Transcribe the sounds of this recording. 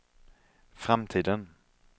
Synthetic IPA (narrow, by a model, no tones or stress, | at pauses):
fɾamt̪ʰiːd̪ən